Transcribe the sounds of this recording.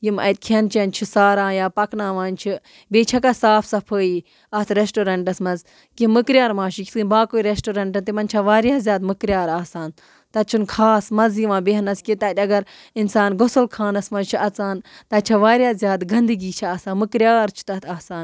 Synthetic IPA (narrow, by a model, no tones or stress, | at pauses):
jimɐ̰t̪̚kʰɐnt͡ʃɐnt͡ʃʰisaːɾãːjaːpɐknãːʋãːnt͡ʃʰi | beːt͡ʃʰɐkɐsaːpʰsɐpʰəːiː | ɐt̪ʰɾesʈoɾɐɳʈɐsmɐz | kimɨkɾʲjaːɾmãːʃikʰʲsɨːbaːkoːiɾesʈoɾɐɳʈ̬ɐnt̪imɐnt͡ʃʰɐʋaːɾʲjaːzʲjaːd̪mɨkɾʲjaːɾaːsaːn | t̪ɐt͡ʃʰunkʰaːsmɐnzjiʋãːbeɦɐnɐskʲit̪ɐt̪ʲɐɡɐɾ | insaːnɡosɐlkʰaːnɐsmɐzt͡ʃʰiɐt͡saːnt̪ɐt͡ʃʰɐʋaːɾjaːzʲjaːd̪ɡɐnd̪ɨɡiːt͡ʃʰiɐsaːmɨkɾʲjaːɾt͡ʃʰi̥t̪ɐt̪ʰaːsaːn